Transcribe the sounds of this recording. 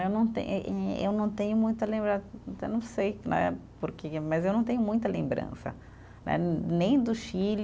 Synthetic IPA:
ewnɐ̃w̃t̪ḛ̃ḛwnɐ̃w̃t̪ẽɲʊmũj̃t̪ɐlẽmbɾat̪ɛnɐ̃w̃sejnɛ̰poɾkemɐzewnɐ̃w̃t̪ẽɲ̃ʊmũj̃t̪ɐlẽmbɾɐ̰̃sɐ̰ | nɛ̰nẽj̃d̪ʊʃil

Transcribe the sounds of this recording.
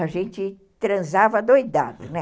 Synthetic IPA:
aʒẽnt͡ʃɪ | t̪ɾɐ̃zavɐd̪ojd̪a̰d̪ʊnɛ

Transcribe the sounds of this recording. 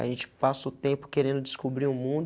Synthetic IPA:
a̰ʒẽnt͡ʃɪ̥pasɐʊt̪ẽpʊ̥keɾẽnd̪ʊd͡ʒɪskobɾiʊmũd̪

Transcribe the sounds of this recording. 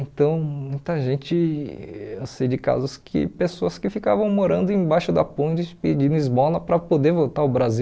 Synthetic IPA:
ẽt̪ɐ̃w̃mũj̃t̪ɐʒẽt͡ʃɪ | esejd͡ʒɪka̰zʊskʰɪ̰pesoɐskɪfika̰vɐ̃w̃moɾɐ̃nd̪ʊẽj̃bajʃʊd̪ɐpõd͡ʒɪped͡ʒĩnʊizbɔlɐpɾɐpod̪eɾvot̪aɾʊbɾazi

